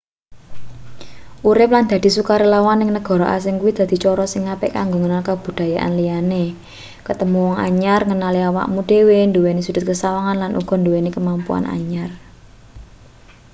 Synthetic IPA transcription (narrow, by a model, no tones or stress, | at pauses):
ʔuɾɪp̚land̪̥ä̤d̪̥i̤sukaɾelawanɪŋnəɡ̥ɔ̤ɾɔʔa̰s̬ɪŋkuwid̪̥a̤d̪̥i̤t͡ʃɔɾɔsɪŋːapɪ̰ʔkaŋɡoŋənalkab̥ṳd̪̥a̤jaʔa̰nlijane | kət̪əmuwɔŋa̰ɲarŋənaliawa̰ʔmud̪̥ewend̪uwenesud̥̤t̪̚kəsawaŋanlanʔṵɡ̥ɔ̤nd̪uwenekəmampṵa̰na̰ɲar